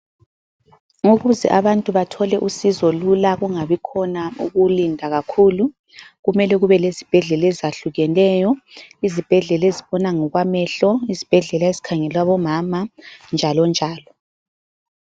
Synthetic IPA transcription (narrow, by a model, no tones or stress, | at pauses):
ŋoɣuzɛ̰ʔaβantʼuβatʰɔlɛʔusizɔlulaɣuŋaβikʰɔnauɣulindʱaɣakʰuːlu | ɣumɛlɛɣuβɛlezib̥ʱɛɮɛlɛzaɬuɣɛlɛːjɔizib̥ʱɛɮɛleziβɔnaŋɔɣwamɛɬɔizib̥ʱɛɮɛlaezi̥kʰaŋɛlwaβɔmamand͡ʒʱalɔnd͡ʒʱaːlɔ